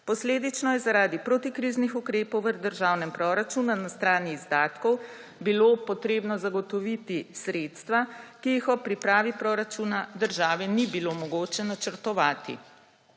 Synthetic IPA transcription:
pɔsleːd̪it͡ʃnɔjɛzaɾaːd̪ipɾot̪ikɾiznixukɾeːpɔwʋəd̪əɾʒaːwnɛmpɾɔɾat͡ʃunanast̪ɾaːniːzd̪aːt̪kɔw | bilopɔt̪ɾeːbnɔzaɡɔt̪ɔʋit̪isɾeːt̪st̪ʋakiixɔpɾipɾaːʋipɾɔːɾat͡ʃunad̪əɾʒaːʋɛnibilomɔɡoːt͡ʃɛnat͡ʃəɾt̪ɔʋaːt̪ḭ

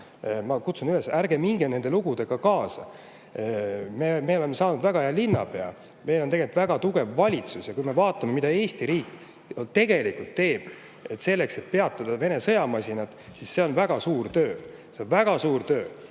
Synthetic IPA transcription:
mɑkut̪sunyle̞sæɾɡe̞miŋɡene̞nd̪̥e̞luɡ̥ud̪̥e̞ɡ̥ɑkɑːsɑ̰ | meme̞o̞le̞mesɑːnud̪væɡ̥ɑeɑlinːɑ̰pe̞ɑ̰ | me̞jlot̪e̞ɡelt̪ːvæɡ̥ɑt̪uɡ̥e̞vvɑlʲit̪susjɑkujme̞vɑːt̪ˑːɑme̞mid̪̥ɑe̞ːst̪iɾiːkːˑ | t̪e̞ɡ̥e̞likult̪ːe̞ːb̥ | e̞t̪ːse̞lːe̞kse̞t̪̚pe̞ɑt̪ːˑɑd̪̥ɑve̞ne̞sɤ̞jɑmɑsʲinɑt̪ˑsisːe̞o̞nvæɡ̥ɑsuːɾt̪ø̞ː | se̞onvæɡ̥ɑsuːɾt̪ø̞ː

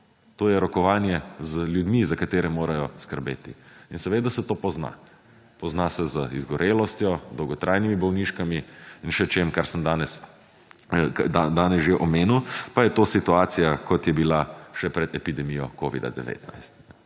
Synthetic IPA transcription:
t̪oːjɛɾɔkɔʋaːnjɛzəljud̪mizakat̪eːɾɛmoːɾajɔskəɾbḛːt̪ḭinsɛʋeːd̪asɛt̪oːpɔzna̰ | pɔznasɛzəḭzɡɔɾeːlɔst̪jɔd̪ɔwɡɔt̪ɾʔajnimibɔwniʃkamiinʃɛt͡ʃeːmkaɾsəmd̪aːnɛs | d̪ad̪aːnɛsʒeʔɔmeːnuwpajɛt̪oːsit̪uaːt̪sijakɔt̪jɛbilaʃɛpɾɛd̪ɛpid̪ɛmijɔkoːʋḭd̪a̰d̪ɛ̰ʋḛːt̪na̰jst̪nɛ

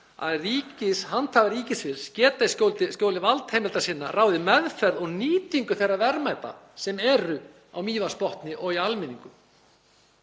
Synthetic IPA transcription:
a̰ðriːcɪshant̪ʰhavaɾiːcɪsvɪlscɛːt̪ascowlt̪ɪscoːwlɪvalt̪hejmɛlt̪asɪnːa̰raːwðɪmɛðfɛɾðɔɣniːt̪iŋkʏθɛjrːavɛɾmajt̪a̰sɛmɛɾʏ | a̰wmiːvanspɔht̪nɪʔɔɣialmɪniŋkʏ

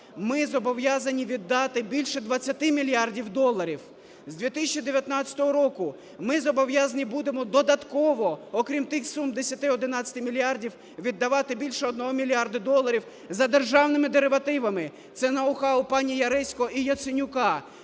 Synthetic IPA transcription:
mɪzɔbɔʋjazɐnʲiʋʲid̪ːɑt̪ɪbʲilʲʃɛd̪ʋɐt͡sʲːɐt̪ɪmʲilʲjɑrdʲiwd̪ɔlˠːɐɾʲiw | zʲd̪ʲʋʲit̪ɪsʲɐt͡ʃʲːid̪eʋʲjɐt̪nɑt͡sʲːɐ̥t̪ɔɦɔɾɔkʊ | mɪzɔbɔʋjazɐnʲibud̪emɔd̪ɔd̪ɐt̪kɔʋɔɔkɾʲimt̪ɪxsumd̪esʲɐt̪ɪɔd̪ɪnɑt͡sʲːɐt̪ɪmʲilʲjɑrdʲiw | ʋʲid̪ːɐʋɑt̪ɪbʲilʲʃɛɔd̪nɔɦɔmʲilʲɑrd̪ɐd̪ɔlˠɐɾʲiw | zɐd̪erʒɑwnɪmɪd̪eɾeʋɐt̪ɪʋɐmɪ | t̪sɛnɐʊxɑʊpɑnʲijɐɾɛsʲkɔɔijɐt̪sɪnʲʊkɑ

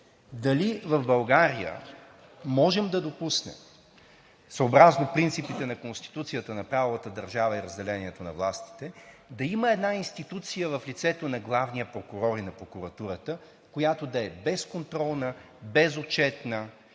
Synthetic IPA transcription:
d̪ɐlivɐvbɐlˠɡaɾijə̰ | mɔʒɛmd̪ɐd̪opusnɛ̰m | səːbɾaznopɾint̪sipit̪ɛnɐkonst̪i̥t̪ut̪sijət̪ənɐpɾavolˠət̪əd̪əɾʒavəiɾəzd̪ɛlɛniɛt̪onɐ̰vlˠast̪i̥t̪ɛd̪ɐiməɛd̪nainst̪it̪ut̪sijəvəflit̪sɛt̪onɐɡlˠavnijəpɾokuɾɔɾinɐpɾokuɾɐt̪uɾət̪ə | kojat̪od̪ɐɛbɛskont̪ɾɔlˠnə | bɛzot͡ʃɛt̪nə

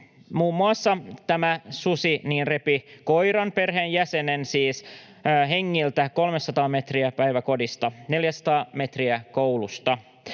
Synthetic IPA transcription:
muːmːuɑsːɑt̪æmæsusiniːnre̞piko̞jɾɑnpe̞rɦeːnjæsenensiːs | ɦe̞ŋːilt̪æko̞lmesɑt̪ɑːme̞t̪riæpæjʋæko̞dist̪ɑne̞ljæsɑ̥t̪ɑːme̞t̪riækowlust̪ɑ

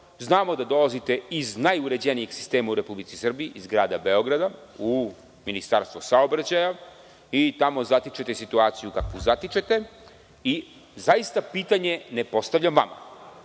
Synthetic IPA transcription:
znaːmo̞d̪ad̪o̞lazit̪e̞iznajuɾe̞d͡ʑenijeɡsi̥st̪e̞ːmauɾe̞publit̪sisr̩biiʔizɡɾaːd̪abe̞o̞ɡɾad̪au | minist̪aɾst̪ʋosaobɾat͡ɕaja | it̪amo̞zat̪it͡ʃet̪e̞sit̪uaːt̪sijukakʋuzat̪it͡ʃet̪e | i | zajist̪apiːt̪aɲe̞nepo̞st̪aʋʎamʋa̰ma̰

